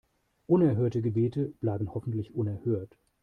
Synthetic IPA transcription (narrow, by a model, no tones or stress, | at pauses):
ʔʊnɛɐɦøːɐtəɡəbeːtəb̥laɪbn̩hɔfn̩tlɪçʔʊnɛɐhøːɐt